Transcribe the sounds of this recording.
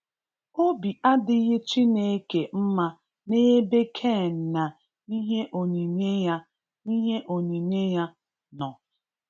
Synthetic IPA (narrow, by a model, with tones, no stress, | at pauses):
o˦bi˨ʔa˦dɪ˦ɣɪ˦t͡ʃi˦ne˦ke˨m̩˦ma˦ | ne˦be˦kʰe˦˨na˨ | i˦ɦe˦ʔo˨ɲi˨ɲe˦ja˦ | i˦ɦe˦ʔo˨ni˨ɲe˦ja˦ | nɔ˨